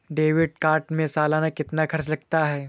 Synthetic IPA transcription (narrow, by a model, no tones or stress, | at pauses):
ɖeːʋɪɖ̚kaːɾʈmẽsaːlaːnakɪt̪nakʰɐɾt͡ʃlɐɡ̚t̪aɦɛː